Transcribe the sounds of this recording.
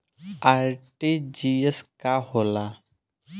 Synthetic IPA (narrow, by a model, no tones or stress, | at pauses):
aɾʈid͡ʒieskahola